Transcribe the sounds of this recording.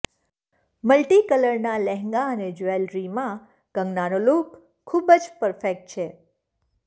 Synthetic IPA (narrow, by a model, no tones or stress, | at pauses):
məlʈikələɾnalɛɦŋɡaəned͡ʒoelɾimã | kə̃ŋɡnanolok | kʰːubəd͡ʒpəɾfek̚ʈ̚t͡ʃʰe